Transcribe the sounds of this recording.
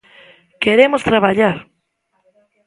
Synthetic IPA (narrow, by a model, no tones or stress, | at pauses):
keɾemost̪ɾaβaʎaɾ